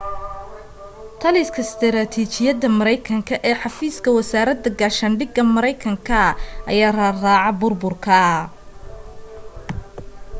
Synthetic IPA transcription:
t̪ʰɐliskʰɐst̪ʰɾaːt̪ʰiːt͡ʃɪjɐd̪ɐmɐɾɐjkʰɐŋkʰɐʔɛːħɑfiːskʰɐwɐsaːɾɐd̪ɐɡaːʃɐnɖɪɡɐmɐɾɐjkʰɐŋkʰɐʔɐ̰jaːraraːʕɑbʊrbʊrkʰɐ

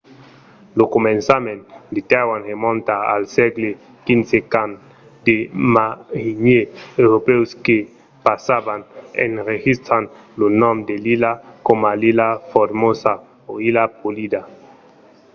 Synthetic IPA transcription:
lokomẽnsamẽnd̪et̪awanʁemɔ̃nt̪aa̰lsɛɡle | kinsekan | d̪emahiɲeewɾopewske | pasabanḛnɾeɣist̪ɾan | lonɔ̃md̪elilakomalilafodmosa | oilapolid̪a

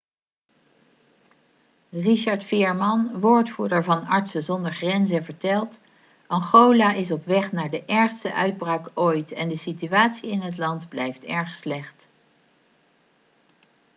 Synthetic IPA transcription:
riʃɑɹtfɪːɹmɑnʋoːɹtfuːdəɹvɑnɑɹtsəzɔndəɹχrɛnzəvəɹtɛlˠt | ʔɑŋχowlaːʔɪsɔpʋɛχnaːɹdəʔɛɹχstəʔœ̰ɥd̚braːkojtɛndəsityaːtsiɪnɦətlɑndblɛjftɛɹχslɛχt

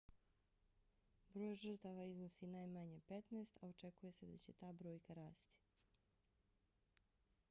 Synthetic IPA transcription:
bɾo̞ːjʒr̩t̪aʋaiznosinaːjmaɲepet̪neːst̪ao̞t͡ʃe̞kuje̞sed̪at͡ɕe̞t̪aːbɾo̞ːjkaɾaːst̪i̥

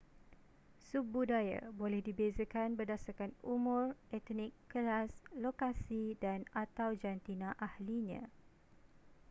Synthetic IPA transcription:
subudaja̰bolɛhdibezəkanbərdasarkanumʊ̃rɛt̪nĩkːəlaslokasidanat̪awd͡ʒant̪inãʔahliɲã̰

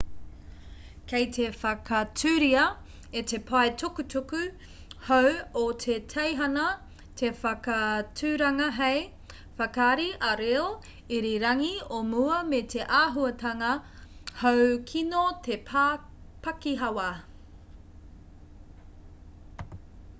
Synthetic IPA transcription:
kʰejtʰefɐkɐtʉːɾiɐ | ete̞pʰaetʰukutukʉ | howotʰetʰejɦɐnɐ | tʰefɐkɐtʰʉɾɐŋɐɦej | fɐkaɾiʔɐɾel | iɾiɾɐŋiomuɐmetʰe̞ʔaːɦuɐtɐŋɐhowkʰinotʰe̞pʰa | pɐkiɦɐwɐ

